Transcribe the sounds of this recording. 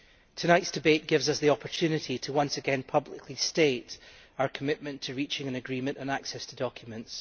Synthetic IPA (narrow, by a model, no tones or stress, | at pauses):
tʰənaɪtsd̥ɪbeʔ̚ɡ̥ɪvzʌsðiɔpʰə˞tʰʉnɪʔitʰəwʌ̃nsəɡɛ̃npʰʌblˠɪkʰlˠisteʔ | aʊə˞kʰəmɪʔmə̃ntʰəɹit͡ʃɪ̃ŋə̃nəɡɹimə̃nʔə̃naksɛstʰədɔkʰjəmə̃nts